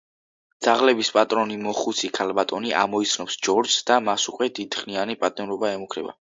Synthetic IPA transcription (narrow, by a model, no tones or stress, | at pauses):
d̪z̥aʁlɛbispʼat̪ʼɾɔnimɔχut̪sʰikʰalˠbat̪ʼɔniʔa̰mɔit̪sʰnɔpsd͡ʒɔɾd͡ʒsd̪amasukʼwɛd̪id̪χnianipʼat̪ʼɛmɾɔbaɛmukʰɾɛ̰ba̰